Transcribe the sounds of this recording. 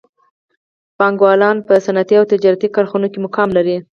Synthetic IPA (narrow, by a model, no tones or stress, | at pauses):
pɑŋɡwɑlɑnpəsanat̪iawt̪ɪd͡ʒɑɾat̪ikaɾxunokemʊkɑmlaɾi